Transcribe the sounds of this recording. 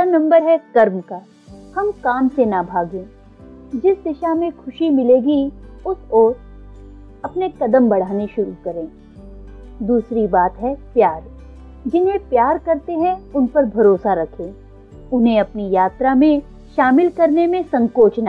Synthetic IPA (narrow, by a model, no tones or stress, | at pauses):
anɐ̃mbəɾɦɛkɐɾmka | hɐmkaːmsenabʱaːɡẽː | d͡ʒɪsd̪ɪʃamẽkʰʊʃimɪleːɡiʊsɔːɾ | ɐpnekɐd̪əmbɐɽ̤aːneʃʊɾukɐɾẽː | d̪uːsɾibaːt̪ɦɛpjaːɾ | d͡ʒɪnɦẽpjaːɾkɐɾt̪eɦɛ̃ʊnpɐɾbʱɐɾoːsaɾɐkʰẽː | ʊnɦẽɐpnijaːt̪ɾamẽ | ʃaːmɪlkɐɾnemẽsɐ̃ŋkoːt͡ʃna